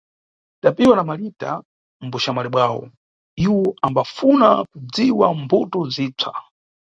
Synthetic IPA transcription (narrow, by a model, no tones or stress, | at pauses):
tapiwanamalita̰ | m̩buʃamalɛɓwaːwɔ̰ | iwɔambafuna̰kud͡ziwambutɔziːt͡sʰa